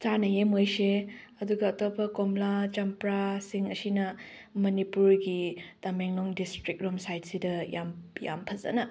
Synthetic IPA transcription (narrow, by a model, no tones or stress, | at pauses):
t͡ʃanɐjemojseɐduɡɐːtopɐkomlat͡ʃɐmpɾasiŋɐsinɐ | mɐnipuɾɡitɐmeŋloŋdistɾik̚ɾomsajt̚sidɐja̰mja̰mpʰɐzɐ̰nɐ